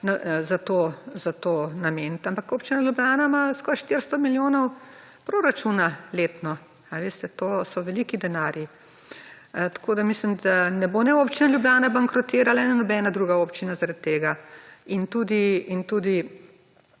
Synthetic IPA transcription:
nazat̪oːzat̪oːnament̪ampakoːpt͡ʃinaljubjʲaːnamaskɔːɾʃt̪iɾst̪ɔmiljoːnɔw | pɾoːɾat͡ʃunaleːt̪nɔ | aʋeːst̪ɛt̪oːsɔʋɛliːkid̪ɛnaːɾji | t̪ḁkʰoːd̪amislimd̪anɛbonɛoːpt͡ʃinaljubjaːnabaŋkɾɔt̪eːɾalanɛnɔbɛnad̪ɾuːɡaopt͡ʃinazaɾat̪ːeːɡaint̪uːd̪iint̪uːd̪i

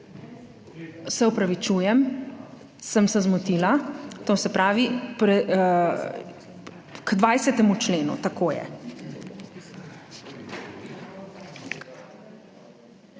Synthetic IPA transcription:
sɛupɾaʋit͡ʃujɛm | səmsɛzmut̪ilat̪oːsɛpɾaːʋipɾɛ | kd̪ʋajsɛt̪ɛmut͡ʃleːnṵt̪akoːjɛ̰

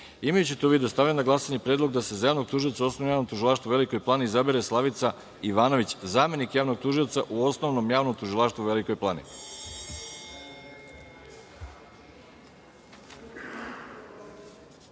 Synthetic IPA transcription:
imajut͡ɕit̪euʋid̪ost̪aʋʎenaɡlasaɲepɾeːd̪lo̞ɡd̪ase̞zajaːʋnoɡ̚t̪uʒiot̪sauosnoomjaːnomt̪uʒilˠaːʃt̪vuʋe̞liko̞jplˠaːniizabiɾeslˠaʋit̪sa | iʋaːnoʋit͡ɕzaːme̞nikjaːʋno̞ɡ̚t̪uʒio̞t̪saʔuo̞sno̞ʋno̞mjaːʋnomt̪uʒilˠaːʃt̪ʋuʋeliko̞jplˠaːnḭ

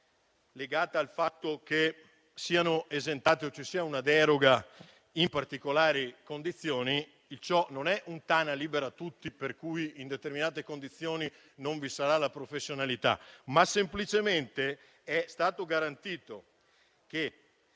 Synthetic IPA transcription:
leɡaːt̪aalfat̪ːok̟e | siːanoezent̪aːt̪iot͡ʃːesːiːaunad̪ɛːɾoɡa | impart̪ikolaːɾikond̪it̪sːjoːni | ilt͡ʃɔnonɛʔunt̪aːnaliːbeɾat̪ːut̪ːiperkujind̪et̪erminaːt̪ekond̪it̪sːjoːni | noɱvisaɾalapɾofesːjonalit̪a̰masemplit͡ʃement̪e | ɛst̪aːt̪oɡaɾant̪iːt̪o | k̟e

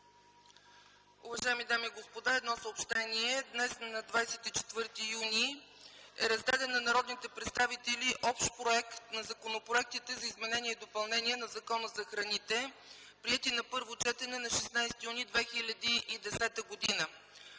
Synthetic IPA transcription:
ʊvɐʒajɛmid̪amiːɡospod̪aɛd̪nɔsəopʃt̪ɛniɛd̪nɛsnɐd̪vajsɛt̪it͡ʃɛ̥t̪vɤɾt̪ijuni | ɛ̰ɾɐzd̪ad̪ɛnːɐnɐɾɔd̪nit̪ɛpɾɛt̪st̪avit̪ɛlʲiʔɔpʃt̪pɾoɛkt̪nɐzɐkonopɾoɛk̚t̪it̪ɛzɐizmɛnɛniɛid̪opɐlˠnɛniɛnɐzɐkɔnəzɐxɾɐnit̪ɛ | pɾiɛt̪inɐpɤɾvot͡ʃɛt̪ɛnɛnɐʃɛsnajst̪ijunid̪vɛxilʲɐd̪iʔid̪ɛsɛt̪əɡod̪inə

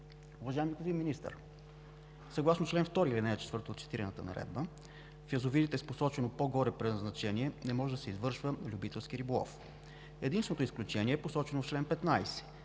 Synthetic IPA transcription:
uvɐʒajɛmikozinminist̪ə̰ɾ | səɡlˠasnot͡ʃlɛnft̪ɔɾiilinɛt͡ʃɛ̥t̪vɤɾt̪oot̪t͡ʃɛ̥t̪iɾɛnət̪ənɐ̰ɾɛ̰d̪̚bə | fiɐzovid̪it̪ɛsposɔt͡ʃɛnopoɡɔɾɛpɾɛzznɐt͡ʃɛniɛnɛmɔʒɛd̪ɐsɛizvɤɾʃvəlʲubit̪ɛlˠskiɾibolˠɔ̰f | ɛd̪insvɛnot̪oisklʲut͡ʃɛniɛːposɔt͡ʃɛnoft͡ʃlɛnpɛt̪najsɛ̥

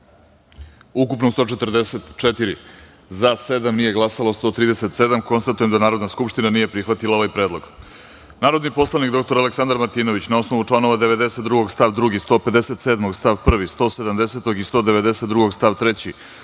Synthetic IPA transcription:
ukupnost̪o̞t͡ʃe̞t̪rd̪eset̪t͡ʃet̪iɾi | zased̪amnije̞ɡlˠasalost̪o̞t̪ɾiːd̪ese̞t̪se̞d̪amko̞nst̪at̪uje̞md̪anaːɾod̪naskupʃt̪inanije̞pɾixʋat̪ilaoʋajpɾed̪lˠo̞ɡ | naːɾo̞d̪nipo̞slˠanikd̪o̞k̚t̪o̞ɾaleksand̪aɾmaɾt̪iːno̞ʋit͡ɕnao̞sno̞ʋut͡ʂlˠano̞ʋad̪eʋe̞d̪e̞set̪ːɾuɡo̞ɡst̪aʋd̪ɾuɡist̪o̞ːpe̞d̪e̞se̞t̪seːd̪moɡst̪aʋpr̩ʋist̪o̞ːse̞d̪amd̪eset̪o̞ɡist̪o̞ːd̪e̞ʋe̞d̪eset̪ːɾuɡo̞ɡst̪aʋt̪ɾet͡ɕi

